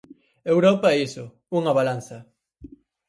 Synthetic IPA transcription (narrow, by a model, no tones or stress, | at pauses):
ewɾɔpaɛisʊ | uŋaβalan̟θɐ